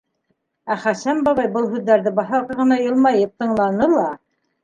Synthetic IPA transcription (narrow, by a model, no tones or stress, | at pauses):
æχæsæmbɑβɑjbɤlˠhʉðːæɾðɘbɑθɑʁɤʁɤ̆nɑjɤ̆lˠmɑjɤp̚t̪ɤ̆ɴlˠɑnɤlˠɑ